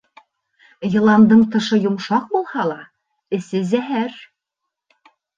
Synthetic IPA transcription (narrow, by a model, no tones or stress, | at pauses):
jɤ̆lˠɑnd̪ɤɴt̪ɤ̆ʃɤjŏmʃɑq̚bulˠhɑlˠɑ | ɘ̆sɘzæɦæɾ